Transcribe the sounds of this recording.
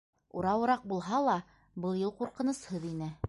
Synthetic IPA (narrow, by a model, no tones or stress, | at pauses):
ṵɾɑwɤ̆ɾɑq̚bulˠɦɑlˠɑ | bɤlˠjɤlˠquɾqɤ̆nɤ̆shɤðinɘ